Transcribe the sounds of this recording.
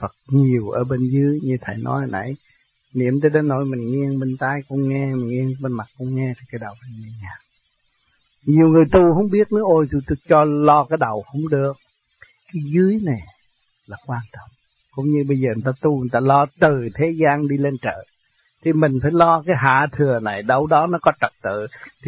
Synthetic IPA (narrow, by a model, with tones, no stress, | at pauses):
fə˨˩t̚ɲi˨˩əwʔə̰ː˧˩ɓe˧nzɨ˨˦əjɲɨ˧t̪ʰə˨˩jnɔ̰˨˦jhə˧˩nʔə̰˧˩j | nḭ˧˥əmt̪əː˧jɗe˨˦nːo̰˧˦jmï˨˩ŋ̟ŋi˧ə˧ŋɓe˧nt̪a˧jkʊ˧˦ŋ͡mŋɛ˧mï˨˩ŋŋi˧ə˧ŋɓe˧nma˨˩t̚kʊ̰˧ŋ͡mŋɛ˧t̪ʰi˨˩kaː˨˦jɗə˨˩wfa˨˧˦mi˨˧˩nŋaː˨˩ | ɲi˨˩əwŋɨ˨˩əjt̪u˧hə˧˦wŋ͡mɓi˦˥ət̚nɔ˨˦ʔo˧jt̪u˧t̪t͡ɕɔ˧lɔ˧kaː˨˦jɗə˨˩whə˧˥wŋ͡mɗɨ˨˩ək̚ | kaː˨˦jzɨ˨˦əjna˨˩j | laː˨˩kwaː˧nt̪ə˨˩wŋ͡m | kʊ̰˧˥˦ŋ͡mɲɨ˧ɓə˧jzəː˨˩˨t̪aː˧t̪u˧ŋ˨˩t̪aː˧lɔ˧t̪ɨ˨˩t̪ʰe˨˦zaː˧nɗi˧le˧nt͡ɕə̰ː˧˨ | t̪ʰi˨˩mï˨˩ŋ̟faː˧˩jlɔ˧kaː˨˦jɦa̰ː˧˨t̪ʰɨ˨˩əna˨˩jɗə˧wɗɔ˨˦nɔ˨˦kɔ˨˦t͡ɕə˨˩p̚t̪ɨ̰˧˨t̪ʰi˨˩